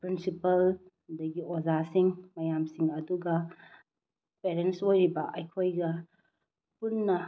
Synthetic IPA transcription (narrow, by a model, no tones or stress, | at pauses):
pɾinsipɐl | dɐɡiozasiŋmɐjamsiŋɐduɡɐ | peɾentsojɾibɐʔɐjkʰojɡɐ | punːɐ